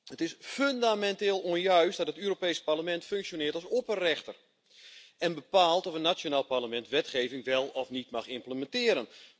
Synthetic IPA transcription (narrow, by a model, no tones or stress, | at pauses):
hətɪsføndamɛnteːlˠonjœɥstdɔtətyːɾopeːsparləmɛntføŋksjonɪːətalˠsopərɛxtər | ɛnbəpaːlˠtɔfənːat͡ʃjonaːlˠparləmɛntʋɛtxeːvɪŋʋɛlˠɔfnitmaxɪmpləmɛntɪːɾən